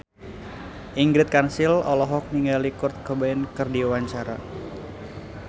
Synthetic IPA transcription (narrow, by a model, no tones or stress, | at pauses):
ʔiŋɡɾɪt̪̚kansɪlɔlɔɦɔk̚niŋalikʊrt̪̚kəbaɪnkɨrdiwaɲt͡ʃaɾa